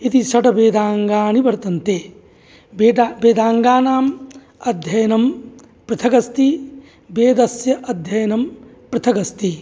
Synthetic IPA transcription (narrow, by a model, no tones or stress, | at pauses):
it̪isɐʈɐbeːd̪aːŋɡaːɳibɐɾt̪ɐnt̪eː | bebeːd̪aːŋɡaːnaːm | ɐd̪ʱjɐjɐnɐm | pɾɐt̪ʰɐɡɐst̪i | beːd̪ɐsjɐʔɐd̪ʱjɐjɐnɐm | pɾɐt̪ʰɐɡɐst̪i